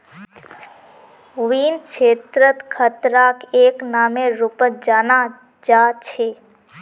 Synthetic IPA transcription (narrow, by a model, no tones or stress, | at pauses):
ʋiːnt͡ʃʰeːt̪ɾət̪kʰət̪ɾakeːknaːmẽɾupət̪̚d͡ʒaːna | d͡ʒaːt͡ʃʰe